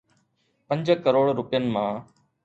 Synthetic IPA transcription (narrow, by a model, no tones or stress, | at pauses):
pə̃ɲd͡ʒkəɾoːɽɾʊpɪjənɪ̆mãː